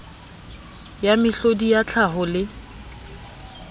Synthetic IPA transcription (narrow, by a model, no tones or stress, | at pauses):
jamɪɬodijat͡ɬʰaɦʊlɪ